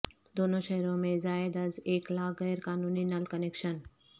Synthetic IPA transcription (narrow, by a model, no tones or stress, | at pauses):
d̪oːnõʃɛɦɾõmẽzaːɪd̪ɐzeːklaːɣɛːɾkaːnuːninɐlkɐneːkʃən